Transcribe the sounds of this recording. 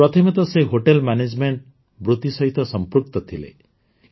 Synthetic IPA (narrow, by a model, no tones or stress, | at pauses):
ɾɔt̪ʰɔmet̪ɔseɦoʈelmaned͡ʒmeɳʈ̚ | bɾut̪isɔɦit̪ɔsɔmpɾuk̚t̪ɔt̪ʰilḛ